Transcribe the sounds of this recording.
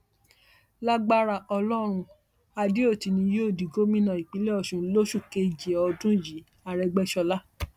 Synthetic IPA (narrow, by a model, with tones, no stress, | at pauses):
la˦ɡ͡ba˦ɾa˧˨ʔɔ˧lɔ˦ɾ̃ũ˧ | a˧de˦o˦˨ti˨˧nĩ˧joː˦˨di˨ɡo˦mĩ˦nã˨i˨k͡pi˨˦le˦ɔ˧˨ʃũ˨˦lo˦ʃu˦˨ke˧˨d͡ʒe˨ɔ˧dũ˦ji˨˦ | a˧ɾɛ˧ɡ͡bɛ˦ʃɔ˧la˦